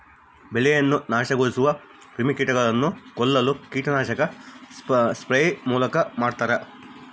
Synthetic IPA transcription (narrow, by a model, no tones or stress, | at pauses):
belɛjɐnːunaːʃɐɡoːɭisuʋɐ | ɾimikiːʈɐɡɐɭɐnːukɔlːɐlukiːʈɐnaːʃɐkɐ | spɾejmuːlɐkɐmaːɖt̪aːɾɐ